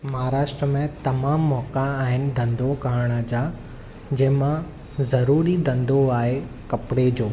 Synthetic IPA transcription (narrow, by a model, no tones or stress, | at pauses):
mɐɦaːɾaːʃʈɾəmẽt̪ɐmaːmːɔːkãaːɦɪnɪ̆d̪ɐ̃nd̪ʱokaːɽ̃ad͡ʑaː | d͡ʑɐ̃ɦɪ̃mã | zɐɾuːɾid̪ʱɐ̃nd̪ʱoaːɦe | kɐpɪɽed͡ʑoː